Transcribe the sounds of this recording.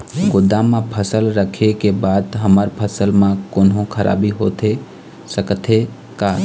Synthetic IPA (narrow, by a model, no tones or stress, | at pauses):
ɡʊd̪ãmãpʰəsəlɾəkʰekebaːd̪ɦəməɾpʰəsəlmãkoːnɦõkʰəɾʔa̰ːbiɦoːt̪ʰe | səkt̪ʰe | ka